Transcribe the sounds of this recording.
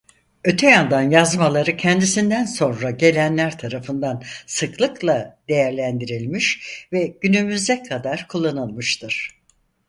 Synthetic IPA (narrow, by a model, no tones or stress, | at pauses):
ø̞t̪ʰɛjand̪anjazmalˠaɾɯcʰɛnd̪isind̪ænso̞nɾaɟe̞lʲænlʲæɾt̪ʰaɾafɯnd̪ansɯklˠɯklˠad̪̥e̞jæɾlʲænd̪iɾilʲmiʃvɛɟ̥ynymyzd̪ɛkʰad̪aɾkʰulˠːanɯlˠmɯʃt̪ʰɯɾ̥